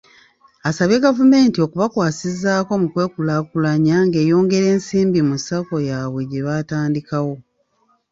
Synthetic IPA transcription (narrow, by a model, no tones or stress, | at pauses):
asaβje̞ɡavume̞ːntio̞kuβakwaːsizaːko̞mukwe̞ːkulakulaɲaŋɡe̞ːjo̞ːŋɡe̞ɾe̞ːnsiːmbimusako̞jaːβwe̞ɟeβataːndikawo̞